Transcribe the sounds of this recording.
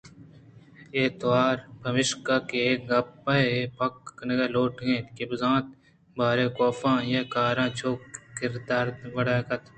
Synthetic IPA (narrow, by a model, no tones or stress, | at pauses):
eːt̪waːɾbʱɐmɪʃkaːkek̚ɡɐpːɐpɐkːnɐɡɐːloːʈɡẽːt̪kebɪzãːt̪̚ | bʱaːɾeːkoːfãːjekaːɾãːt͡ʃʰoːkkɪɾd̪aːɾʋɐɽaːkɐt̪